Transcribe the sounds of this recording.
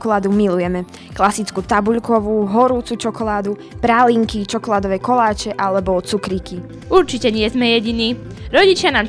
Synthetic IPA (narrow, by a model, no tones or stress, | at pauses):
kɔlaːd̪umilujɛmɛ | klasit͡skut̪abuʎkɔʋuːɦɔɾuːt͡sut͡ʃɔkɔlaːd̪u | pɾaliŋkit͡ʃɔkɔlaːd̪ɔʋɛjkɔlaːt͡ʃɛʔalɛbɔt͡sukɾiki | uɾt͡ʃicɛɲɪɛzmɛjɛɟiniː | ɾɔɟit͡ʃɪanaːm